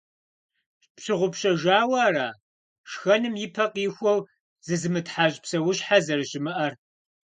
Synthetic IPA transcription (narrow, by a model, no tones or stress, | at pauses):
pɕɪʁʷʊpɕɐʒaːwaːɾaː | ʂxɐnɨmjɪpʰɐqiːxʷɔw | zɨzɨmɨtħaːʑʼpsɐwʊɕħazɐrɨɕɪmɨʔɐr